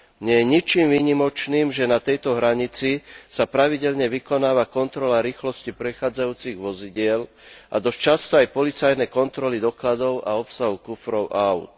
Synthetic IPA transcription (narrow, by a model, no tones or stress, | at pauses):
ɲɛjɛɲit͡ʃiːmʋiːɲimɔt͡ʃniːmʒɛnat̪ɛjt̪ɔɦɾaɲit͡sisapɾaʋiɟɛʎɲɛʋikɔnaːʋakɔnt̪ɾɔlaɾiːxlɔscipɾɛxaːd͡zajuːt͡siɣʋɔziɟɪɛl | ʔa̰d̪ɔst͡ʃast̪ɔajpɔlit͡sajnɛkɔnt̪ɾɔlid̪ɔklad̪ɔʊʔa̰ɔpsaɦukufɾɔʊʔaaʊt̪̚